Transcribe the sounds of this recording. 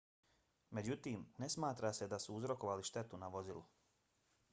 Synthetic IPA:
me̞d͡ʑut̪iːmne̞smaːt̪ɾase̞d̪asuuzɾo̞ko̞ʋaliʃt̪e̞t̪unaʋo̞zilu

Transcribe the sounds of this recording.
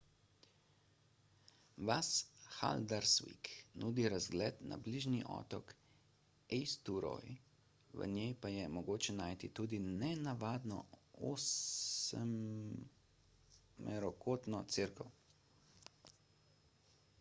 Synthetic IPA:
ʋasxa̰ld̪aɾsʋḭknuːd̪iɾazɡlɛːt̪na̰bliːʒniʔɔ̰ːt̪ɔk | ɛjst̪uɾɔ̰j | ʋə̰njɛjpajɛmɔɡoːt͡ʃɛnaːjt̪it̪uːd̪inɛnaʋaːd̪nɔ̰osɛm | mɛɾɔkʰoːt̪nɔt̪siɾkɔw

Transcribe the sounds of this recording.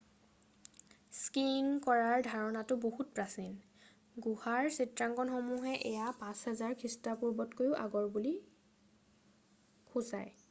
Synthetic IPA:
skiŋkɔɹaɹdʱaɹɔnatʊbohut̚pɹasin | ɡuhaɹsitɹaŋkɔnxomuɦɛʔɛjapãshɛzaɹkʰistapuɹbɔtkojʊʔa̰ɡɔɹbuli | kʰuza̰j

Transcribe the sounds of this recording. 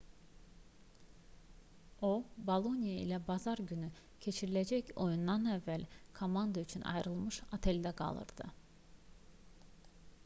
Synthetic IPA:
obalˠo̞nijaḭlʲɛbazaɾɟyny | cʰe̞t͡ʃʰiɾilʲed͡ʒɛco̞jund̪anɛvːælʲkʰo̞mand̪ayt͡ʃʰyna̰jɾɯlˠmɯʃat̪ʰɛlʲd̪ɛkʰa̰lˠɯ̰ɾd̪̥ɯ̰

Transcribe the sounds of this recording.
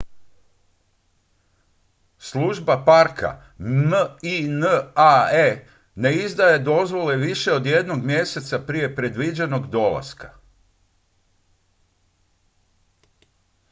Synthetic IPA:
sluʒbapaɾkʰa̰ | minae | ne̞izd̪ajed̪o̞zʋo̞le̞ʋiʃe̞od̪je̞d̪no̞ɡmje̞se̞t̪sapɾije̞pɾed̪ʋid͡ʑe̞no̞ɡd̪o̞la̰ska

